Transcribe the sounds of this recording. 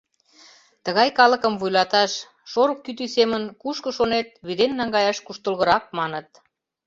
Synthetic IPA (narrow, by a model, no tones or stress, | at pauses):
t̪ə̆ɣɑjkɑlə̆kə̆mvujlɑt̪ɑʃ | ʃoɾokːyt̪ysemənkuʃkə̆ʃonet̪̚βyd̪enːɑŋɡɑjɑʃkuʃt̪əlɣə̆ɾɑk̚mɑnət̪̚